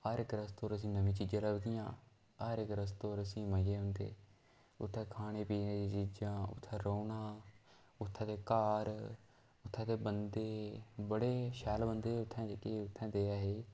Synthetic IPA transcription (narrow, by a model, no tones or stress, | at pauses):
aːɾɪkɾəst̪oːɾəs̬ĩːnəʋĩːt͡ʃiːd͡ʒãːləbd̪ɪjãː | aːɾɪkɾəst̪oːɾəsĩːməd͡ʒeːɦʊnd̪ḛː | ʊ̰t̪ʰːɛ̃ːkʰaːɽ̃eːpiːneːd̪iːt͡ʃiːd͡ʒãːʊ̰t̪ʰːãːɾoːnãː | ʊt̪ʰːãːt̪eːkaːɾ | ʊt̪ʰːãːt̪eːbənd̪eːbəɽeːʃɛːlbənd̪eːʊt̪ʰːɛ̃ːd͡ʒekeːʊt̪ʰːɛ̃ːd̪eːaːɦeː